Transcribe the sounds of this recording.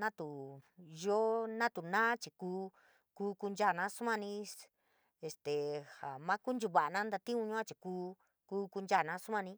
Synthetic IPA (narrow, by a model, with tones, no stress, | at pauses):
nã˦t̪u˨jo˦nã˦t̪u˨nãː˦t͡ʃi˨kuː˦ | ku˦˧˦ku˧nd͡ʒa˦˨nã˧˦su˦mã˦˧nĩ˧ | e˧st̪e˨ha˨mã˦ku˦nd͡ʒu˧˨βa˨ʔa˨˧nã˦nd̪a˧t̪ĩ˦ũ˧ɲũ˦ã˦t͡ʃi˨kuː˦ | ku˦ku˧nd͡ʒa˦˨nã˧˦su˦mã˧nĩ˧˦